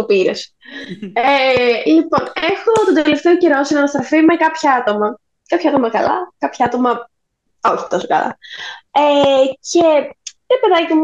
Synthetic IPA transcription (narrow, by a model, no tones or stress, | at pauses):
t̪opiɾes | elipo̞ne̞xot̪ond̪eeleft̪e̞o̞ceɾo̞sinɐnɐst̪ɾɐfime̞kɐpçɐɐt̪o̞mɐ | kɐpçɐɐt̪o̞mɐkɐ̰lɐ̰kɐpçɐɐt̪o̞mɐ | oçi̥ft̪ɐsokɐ̰lɐ̰eceɾepe̞ðɐcimu